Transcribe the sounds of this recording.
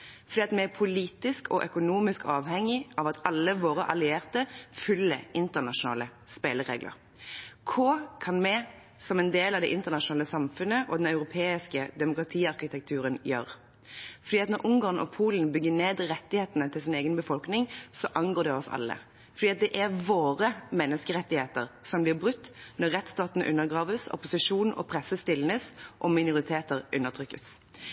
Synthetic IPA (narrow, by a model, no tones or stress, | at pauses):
fɔʁd̪iːɑt̪mɛæpʰʊliːt̪ɪskʰɔ̰ʔœkʊnuːmɪskɑːʋhɛŋːɪʔɑʋɑt̪ɑlːəʋoːɾəʔɑlɪeːʁt̪əfʉlːəɪnt̪əʁnɑʂʊnɑ̰ːləspeːləʁḛːɡlə̰ʁ | kʰoːkʰɑnmɛ | sɔmɛnd̪eːlɑʋd̪ɛʔɪnt̪əʁnɑʃʊnɑːləsɑmfʉnəʔɔd̪ɛnœʉɾʊpʰeːɪskəd̪ɛmʊkɾɑt̪ʰiːɑʁkɪt̪ʰɛk̚t̪ʰʉːʁənjøːʁ | fɔɾd̪iːɑt̪nɔɾʔʊŋɡɑʁnɔ̰pʰuːlənbʏɡːəneːd̪ʁɛt̪ːɪheːt̪ənət̪ʰɪlsɪneːɡənbəfɔlknɪŋsɔʔɑnɡoːd̪ɛɔsɑ̰lːə̰ | fɔɾd̪iːɑt̪̚d̪ɛʔɛʁʋoːʁəmɛnːəskəɾɛt̪ːɪheːt̪əʁsɔmblɪʁbʁʉt̪ːnɔʁːɛt̪ːst̪ɑːt̪nʔʉ̰nːəʁɡʁɑːʋəsɔ̰pʊsɪʂuːnɔ̰pʰɾɛsəst̪ɪlnəsʔɔmɪnʊʁɪt̪ʰeːt̪əʁʔʉnːəʁt̪ʰɾʏkːəs